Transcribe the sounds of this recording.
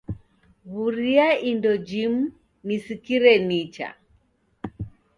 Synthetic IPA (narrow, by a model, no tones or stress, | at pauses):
ɣuɾiaindɔd͡ʒimu | nisikiɾɛnit͡ʃa̰